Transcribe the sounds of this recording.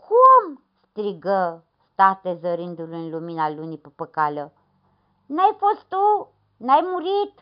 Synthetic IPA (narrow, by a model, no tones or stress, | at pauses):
kʰum | st̪ɾiɡə | st̪at̪ezəɾɨnd̪uluɨnluminalunipəpəkalə | najfo̞st̪t̪u | najmuɾit̪